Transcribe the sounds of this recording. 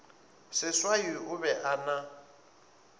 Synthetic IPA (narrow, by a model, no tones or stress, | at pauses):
sɪswajiʊβɛʔana